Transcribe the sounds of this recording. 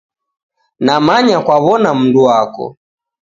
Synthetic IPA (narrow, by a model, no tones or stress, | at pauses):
namaɲakwaβɔnam̩nduakɔ̰